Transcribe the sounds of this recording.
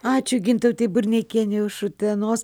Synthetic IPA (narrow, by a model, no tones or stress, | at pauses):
ɑːt͡ʃʲʊɡʲɪnt̪ɐʊt̪ʲɐɪbʊɾʲnʲɛkʲeɛnʲɪʊʃʊt̪ʲɛnoːs